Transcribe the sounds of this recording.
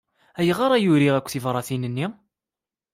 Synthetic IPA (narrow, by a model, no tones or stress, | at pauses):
æjəʁɑɾˤɑjuɾiʁækʷːθivɾˤɑθinənːi